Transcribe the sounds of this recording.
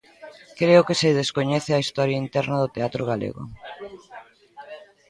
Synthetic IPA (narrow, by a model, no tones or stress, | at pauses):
kɾeʊkesɪðeskoɲɛθɪaist̪ɔɾjaint̪ɛɾnɐðʊt̪eat̪ɾoɣ̞alḛɣʊ̰